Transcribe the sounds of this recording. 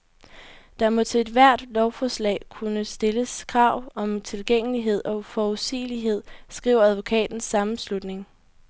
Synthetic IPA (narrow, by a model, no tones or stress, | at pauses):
d̥ɑ̈mo̽t͡sʰe̝ed̥ʋæɐ̰d̥lɒʊfɒslɛ̰ːkʰunəsd̥e̝ləskʰʁɑ̈ʊ̰ɒ̽mt͡sʰe̝lɡ̥eŋ̰əliɦe̝ð̞̰ˠɒ̽fɒuðˠsḭːliɦe̝ð̞̰ˠsɡ̥ʁḭʊɐæð̞ˠʋo̝kʰɛ̰ːd̥n̩sːɑ̈mn̩slud̥ne̝ŋ